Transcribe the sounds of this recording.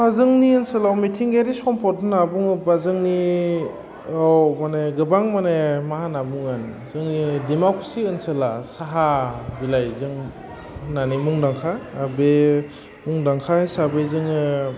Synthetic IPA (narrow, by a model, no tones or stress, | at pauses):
azɯŋniɯnsɯlawmitʰiŋɡeɾisɔmpʰɔt̚nabuŋɯbazɯŋni | ɔwmaneɡɯbaŋmanemaɦanabuŋɯn | zɯŋnidimokʰɾsiɯnsɯlasaɦabilajzɯŋ | nanimuŋdaŋkʰaːbe | muŋdaŋkʰahejsabezɯŋɯ